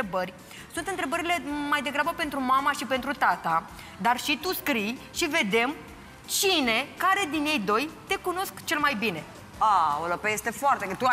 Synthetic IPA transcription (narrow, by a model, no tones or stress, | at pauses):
ebərʲ | sunt̪ɨnt̪ɾe̞bəɾile̞majd̪e̞ɡɾabəpe̞nt̪ɾumamaʃipe̞nt̪ɾut̪at̪a | d̪arʃit̪uskɾij | ʃive̞d̪e̞m | t͡ʃine̞kaɾe̞d̪inje̞jd̪o̞jt̪e̞kuno̞skt͡ʃe̞lmajbine̞ | aolopejest̪e̞foart̪et̪u